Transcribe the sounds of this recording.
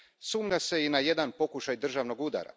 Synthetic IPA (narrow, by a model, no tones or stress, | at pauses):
suːmʎase̞inaje̞d̪anpo̞kuʃajd̪r̩ʒaʋno̞ɡud̪a̰ɾa̰